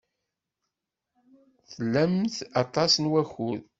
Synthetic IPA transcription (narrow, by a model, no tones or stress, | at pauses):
θəlːæmθɑt̪ˤɑsnwæçuð